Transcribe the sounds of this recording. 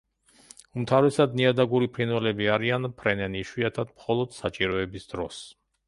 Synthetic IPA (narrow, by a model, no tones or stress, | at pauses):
umt̪ʰavɾɛsad̪niad̪aɡuɾipʰɾinwɛlɛbiaɾianpʰɾɛnɛniʃwiat̪ʰad̪mχɔlˠɔd̪̥sat͡ʃʼiɾɔɛbisd̪ɾɔs